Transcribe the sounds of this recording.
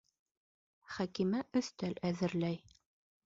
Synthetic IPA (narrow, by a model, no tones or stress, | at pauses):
χækimæʔɵ̆θt̪ælæðɘ̆ɾlæj